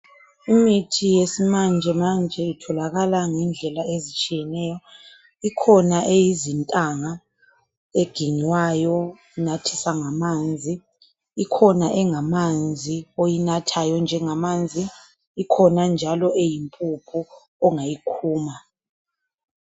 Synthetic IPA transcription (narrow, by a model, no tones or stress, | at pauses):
imitʰijesimand͡ʒʱɛmand͡ʒʱɛitʰɔlaɣalaŋɛnd͡ɮʱɛlaezit͡ʃʼijɛnɛːjɔ | ikʰɔnaʔejizintʼaŋa | eɡ̥ʱiɲwajɔ | natʰisaŋamand͡zʱiː | kʰɔnaʔɛŋamand͡zʱiojinatʰajɔnd͡ʒʱɛŋamand͡zʱi | ikʰɔnand͡ʒʱalɔʔejimpʼupʰu | ɔŋajikʰuːma